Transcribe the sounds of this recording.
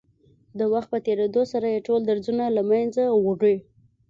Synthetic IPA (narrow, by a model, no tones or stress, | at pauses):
d̪əwaxt̪̚pət̪eɾed̪osaɾajeʈold̪aɾzunalamanzawoɖəj